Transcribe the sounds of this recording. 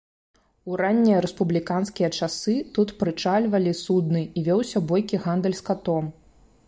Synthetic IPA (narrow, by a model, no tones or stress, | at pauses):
uɾanʲːijɐɾɛspublʲikanskʲijɐt͡ʂasɨt̪ut̪pɾɨt͡ʂalʲvɐlʲisud̪nɨivʲɔwsʲɐbɔjkʲiɣand̪ɛlʲskat̪ɔm